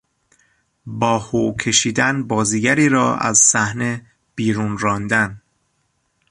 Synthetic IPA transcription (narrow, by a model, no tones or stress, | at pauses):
bɒːhokʰe̞ʃiːd̪ænbɒːziɡæɾiːɾɒːæ̰zsæhne̞ | b̥iːɾuːnɾɒːnd̪æn